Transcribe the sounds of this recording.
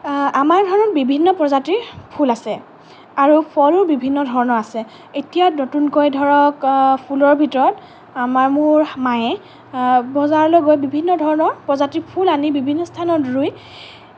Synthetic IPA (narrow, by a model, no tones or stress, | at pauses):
amaɹdʱɔɹɔnɔt̚bibʱinːɔpɹɔzatiɹpʰulasɛ | aɹupʰɔluɹbibʱinːɔdʱɔɹɔnɔɹasɛ | etijatnotunkɔjdʱɔɹɔkpʰulɔɹbʱitɔɹɔt | amaɹmʊɹmaɛ | bɔzaɹlɔɡojbibʱinːɔdʱɔɹɔnɔpɹɔzatiɹpʰulanibibʱinːɔstʰanɔtɹuj